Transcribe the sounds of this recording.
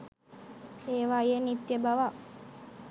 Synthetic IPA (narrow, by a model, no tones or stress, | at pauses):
eːʋajenit̪ːjebaʋa